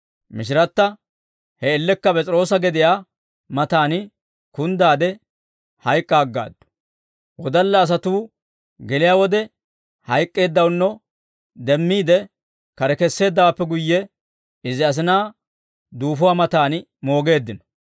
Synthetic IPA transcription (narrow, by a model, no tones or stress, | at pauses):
mɪʃ̬ɪɾɐt̪ːɐ | hɛːlːɛkːɐpɛt͡sʼɾo̞ːsɐɡɛd̪ɪjaː | mɐt̪aːnɪ | kʊnd̪aːd̪ɛ | hɐjkʼːaːɡːa̰ːd̪ːʊ̥ | wɔd̪ɐlːɐːs̬ɐt̪uː | ɡɛlɪjaːwɔd̪ɛ | hɐjkʼːe̞ːd̪ːɐwnːɔ | d̪ɛmːiːd̪ɛ | kɐɾɛkɛsːe̞ːd̪ːɐwapːɛɡʊjːɛ | ɪzɪɐs̬ɪnaː | d̪uːfʊwaːmɐt̪aːn | mo̞ːɡe̞ːd̪ːɪnɔ̥